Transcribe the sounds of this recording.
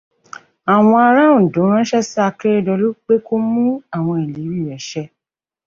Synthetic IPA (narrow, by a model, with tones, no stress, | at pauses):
a˨w̃ɔ̃˧a˧ɾã˦ũ˨dõ˨˦ɾ̃ã˦ʃɛ˦sa˦a˧ke˦ɾe˦dɔ˧lu˦k͡pe˦ko˦mũ˦a˦˨w̃ɔ̃˧i˨li˨˦ɾi˦˨ɾɛ˨˦ʃɛ˧˦